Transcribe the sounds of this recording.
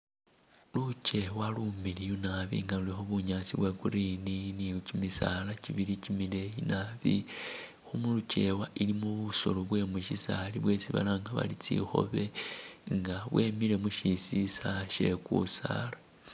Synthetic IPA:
lut͡ʃe̞walumilijunaβḭŋɡalulixoβuɲat͡siβwekuɾininicimisalaciβiɾicimile̞jinaβḭ | xumulut͡ʃe̞waʔilimuβuso̞loβwe̞muʃisaliβwe̞t͡siβa̰laŋɡaβa̰lit͡sḭxo̞̰βeŋɡaβwe̞mile̞muʃisisaʃe̞kṵsa̰ːla

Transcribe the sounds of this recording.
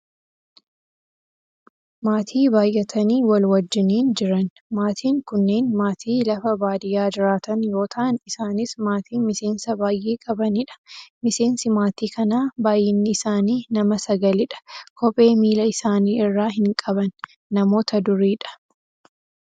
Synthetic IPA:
maːt̪ʰiːbaːjʔɐt̪ʰɐniːwɐlwɐd͡ʒːɪniːnd͡ʒɪɾɐn | maːt̪ʰiːŋkʊnːe̞ːnmaːt̪ʰiːlɐfɐbaːd̪ɪjaːd͡ʒɪɾaːt̪ɐnjo̞ːt̪ʰɐʔːnɪsaːnɪsmaːt̪ʰiːmɪse̞ːnsɐbaːjʔeːkʼɐbɐnɪᶑɐ̥mɪse̞ːnsɪmaːt̪iːkʰɐnaːbaːjɪnːɪɪsaːniːnɐmɐsɐɡɐlɪᶑɐ̥kʰɔpʼːe̞ːmiːlɐɪsaːniːɪrːaːɦɪŋkʼɐbɐnː | ɐmo̞ːt̪ɐd̪ʊɾiːᶑɐ̥

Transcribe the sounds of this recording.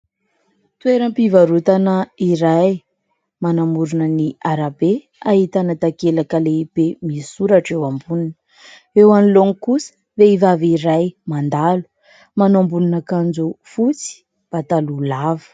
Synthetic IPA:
t̪weɾəmpivaɾut̪anəiɾaj | manamuɾunəniaɾabe | aɦit̪anat̪akelakəleipemisuɾaʈ͡ʂewambuninə | ewaniloŋikusə̥ | veivaviɾajmand̪alu̥ | manambuninakand͡zufut͡si̥ | b̥at̪alulavə̥

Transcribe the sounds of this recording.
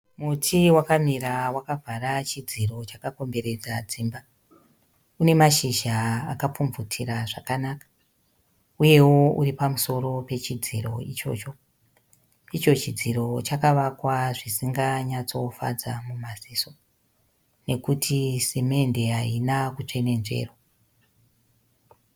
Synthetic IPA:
mutʰiwakamiɾawakavʱaɾat͡ʃid͡ziro̞t͡ʃakako̞mbe̞ɾe̞d͡zad͡ziːmba | une̞maʃiʒaːkap͡fuɱvutʰiɾaʐakanakḁ | uje̞wo̞uripamuso̞ɾo̞pe̞t͡ʃid͡ziro̞̰it͡ʃo̞̰t͡ʃo̞ | it͡ʃo̞t͡ʃid͡ziɾo̞t͡ʃakaʋakwaʐisiŋɡaɲat͡so̞fa̰d͡zamumaziːso̞ | ne̞kutʰiseme̞nde̞ɦainakut͡ʂene̞nʐe̞̰ːro̞

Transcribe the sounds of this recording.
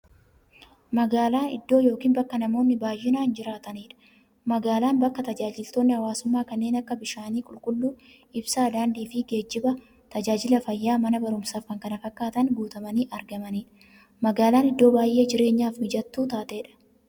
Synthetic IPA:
mɐɡaːlaːnɪ̰d̪ːo̞ːjo̞ːkiːnbɐkːɐnɐmo̞ːnːɪbaːjːɪnaːnd͡ʒɪɾaːt̪ɐniːᶑɐ̥ | mɐɡaːlaːnbɐkːɐt̪ɐd͡ʒaːd͡ʒɪlt̪o̞ːnːɪhɐwaːsʊmːaːkɐnːe̞ːnɐkːɐbɪʃaːniːkʼʊlkʼʊlːuː | ɪbsaːd̪aːnd̪iːfɪɡe̞ːd͡ʒːɪbɐ | t̪ɐd͡ʒaːd͡ʒɪlɐfɐjːaːmɐnɐbɐɾʊmsaːfkɐŋkɐnɐfɐkːaːt̪ɐnɡuːt̪ɐmɐniːʔɐɾɡɐmɐniːᶑɐ̥ | mɐɡaːlaːnɪd̪ːo̞ːbaːjʔːe̞ːd͡ʒɪɾe̞ːɲːaːfbɪd͡ʒɐt̪ːuːt̪aːt̪eːᶑɐ̥

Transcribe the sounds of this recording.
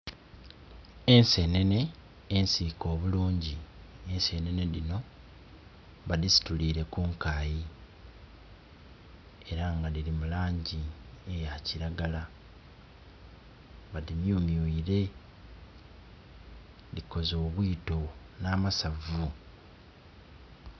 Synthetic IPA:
e̞nse̞ne̞ne̞ː | nsiko̞ːβuluːɲɟie̞nse̞ne̞ne̞ðino̞ | βadisi̥tuliːɾe̞kuŋkaːji | e̞ɾaŋɡaliɾimulaːɲɟiejaciɾaɡala | βaðimjumjuiɾe̞ | liko̞zo̞ːβwiːto̞ | naːmasavu

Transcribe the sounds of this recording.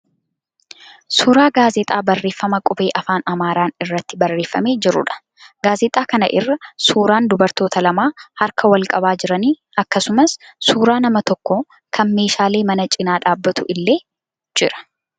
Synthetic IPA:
suːɾaːɡaːzɛt̪ʼaːbɐrːe̞ːfːɐmɐkʼʊbe̞ːʔɐfaːnɐmaːɾaːnɪrːɐt̪ːɪbɐrːe̞ːfːɐme̞ːd͡ʒɪɾʊ̰ᶑɐ̥ | ɡaːzɛt̪ʼaːkɐnɐ̰ʔɪrːɐsuːɾaːnd̪ʊbɐɾt̪o̞ːt̪ɐlɐmaːhɐɾkʰɐwɐlkʼɐbaːd͡ʒɪɾɐniː | ɐkːɐsʊmɐsːuːɾaːnɐmɐt̪ɔkːo | kʰɐnme̞ːʃaːle̞ːmɐnɐt͡ʃʼɪnaːᶑaːbːɐt̪ʊʔɪlːe̞ː | d͡ʒɪɾɐ̥

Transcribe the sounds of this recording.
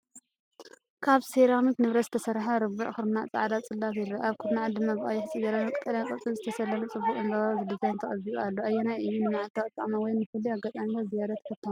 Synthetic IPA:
kʰaβseɾamit̪nɨβɾɐt̪zɨ̥t̪ʰɐsɐɾħaɾɨbuʕxɨɾmnaʔt͡sʼa̰ʕd̪at͡sʼɨlːat̪ɪɾɐʔaβkʰɨɾnaʕad̪ɨmːaβʔʼajɛħɨt͡sʼiɡɐɾanɐt̪ʼkʼːɐljankʼɐt͡sʼilzɨt̪ʰɐsɐlːɐmɨt͡sʼɨbːukʼɨnd̪aazɨd̪ɨzajnt̪ʰɐχʼɐiualːoʔajːenajʔɨjːunɨmaʕalt̪ʰːakʼɨt̪ʼːa̰mɐwɔjnɨfɨlːiaɡat̪ʼamazijaɾɐt̪kʰɐt̪ʰːom

